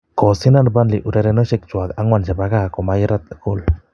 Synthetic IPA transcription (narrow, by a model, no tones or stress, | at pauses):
kɔsinanbanliʔuɾɛɾɛnəʃɛk̚t͡ʃuakaŋwand͡ʒabaɡakɔmajəɾat̪̚ə̥kul